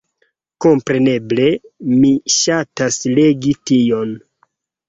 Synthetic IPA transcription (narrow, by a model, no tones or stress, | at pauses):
ko̞mpɾe̞ne̞ble̞miʃatasle̞ɡitio̞n